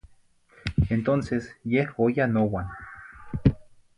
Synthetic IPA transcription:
ent̪onsesjehojanowan

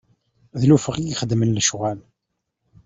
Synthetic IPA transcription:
ðlufəʁijiχəd̪mənːəʃʁæl

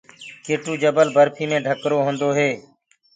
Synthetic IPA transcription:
keːʈuːd͡ʒəbəlbəɾpʰiːmẽːɖʱəkɾoːɦõːnd̪oːɦeː

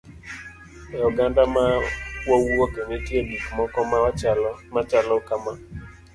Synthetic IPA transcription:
jɔɡandamawawuokenetjemikmɔkɔmat͡ʃalɔmat͡ʃalɔkama

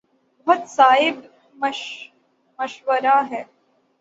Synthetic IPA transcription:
bɐɦʊt̪saːɦɪb | mə | mɐʃʋəɾaːɦɛː

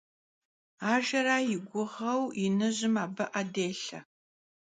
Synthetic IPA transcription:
aːʒɐɾaːjɪɡʷʊʁɐwɪnɨʑɪmaːbɐʔɐdeːɬɐ̰

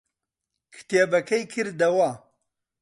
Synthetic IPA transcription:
kʰɨ̥ʈ̪ebɐkʰɐjkʰɨɾd̪ɐwa

